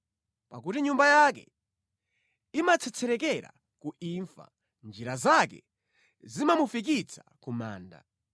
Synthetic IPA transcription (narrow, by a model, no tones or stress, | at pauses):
pakutiɲumbajakɛ̰ | imat͡sʰɛt͡sʰɛɾɛkɛɾa̰ | kuiɱfa̰ | nd͡ʒiɾazakɛ̰ | zimamufik̬it͡sʰakuma̰ːnda̰